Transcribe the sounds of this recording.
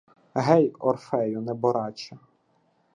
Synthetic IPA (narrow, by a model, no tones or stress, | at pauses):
ɦɛjɔ̰rfɛjʊnɛbɔɾɑt͡ʃɐ